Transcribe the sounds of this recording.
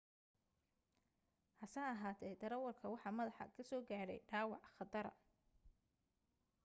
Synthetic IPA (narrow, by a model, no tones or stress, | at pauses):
hɐsaːɐɦaːt̪ʰɛjd̪ɐɾɐwɐrkʰɐwɑħɑmɐðɑħɑ̰kʰɐsɔːɡaːɽɛ̰jɖaːwɑʕχɑd̪ɐɾɐ̰